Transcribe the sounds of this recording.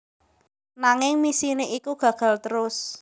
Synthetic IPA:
naŋɪŋmisineʔikuɡ̥ä̤ɡ̥a̤lt̪əɾʊs

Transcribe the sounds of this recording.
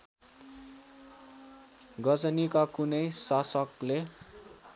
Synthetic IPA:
ɡʌd͡zʌnikakunʌjsasʌkle

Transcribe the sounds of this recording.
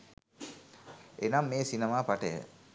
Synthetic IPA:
ʔenamːeːsinemaːpaʈəjə̰

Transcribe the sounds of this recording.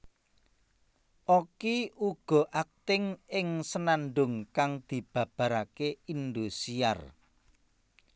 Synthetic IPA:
ʔokiuɡ̥ɔ̤ʔak̚t̪ɪŋɪŋsənanɖʊŋkaŋd̪̥i̤b̥ä̤b̥ä̤ɾakeind̪usia̰r

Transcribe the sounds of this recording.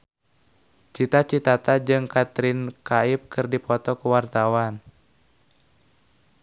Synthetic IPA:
t͡ʃit̪at͡ʃit̪at̪ad͡ʒɨŋkat̪ɾɪnkaip̚kɨrdipɔt̪ɔkuwart̪awan

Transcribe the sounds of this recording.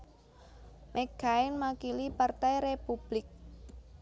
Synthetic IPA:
mʔɛɡ̥aɪnmakilipart̪ɛjɾepub̥lɪk̚

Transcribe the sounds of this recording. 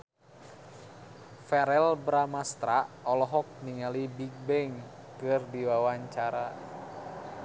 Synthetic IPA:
fɛɾɛlbɾamast̪ɾaʔɔlɔɦɔk̚niŋalibiɡ̚bɛŋ | kɨrdiwawaɲt͡ʃaɾa

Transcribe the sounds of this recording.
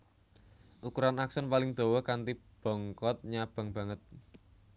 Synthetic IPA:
ʔukuɾanaksɔnpalɪŋd̪̥o̤wɔkant̪ib̥ɔ̤ŋkɔt̪̚ɲab̥a̤ŋb̥ä̤ŋət̪̚

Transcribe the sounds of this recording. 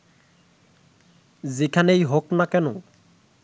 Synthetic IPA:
zikʰanejɦoknakɛno

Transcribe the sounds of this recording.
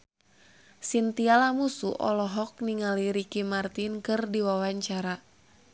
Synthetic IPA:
sint̪ialamusuʔɔ̰lɔɦɔk̚niŋaliɾikimart̪inkɨrdiwawaɲt͡ʃaɾa

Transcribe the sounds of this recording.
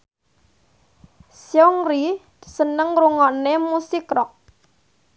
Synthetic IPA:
sjɔŋɾi̥ | sənəŋruŋɔnemusikɾɔk̚

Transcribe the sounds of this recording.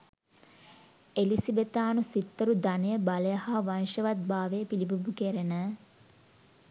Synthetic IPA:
elisibet̪aːnusit̪ːəɾud̪anəjəbaləjəhaːʋanʃəʋat̪̚baːʋejpilibubukeɾenə

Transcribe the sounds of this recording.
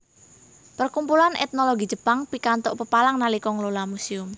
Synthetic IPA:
pərkumpulanʔɛ̰t̪̚noloɡid͡ʒ̥əpaŋpikant̪ʊʔpəpalaŋnalikɔŋlolamusiʊm

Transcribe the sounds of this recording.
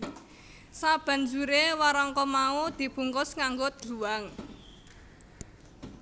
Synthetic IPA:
sab̥a̤nd͡ʒuɾewaɾɔŋkɔmaud̪̥i̤b̥ṳŋkʊsŋaŋɡod̪̥luwaŋ

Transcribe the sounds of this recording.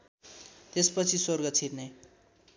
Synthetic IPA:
t̪espʌt͡sʰiswʌrɡʌt͡sʰirne

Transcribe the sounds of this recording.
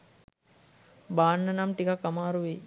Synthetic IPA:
baːnːɐnamʈikakːamaːɾuʋe

